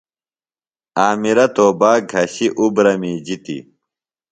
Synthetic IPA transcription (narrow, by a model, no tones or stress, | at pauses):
aːmiɾɐt̪oːbaːɡʱɐɕiʔubɾɐmiːd͡ʑit̪ḭ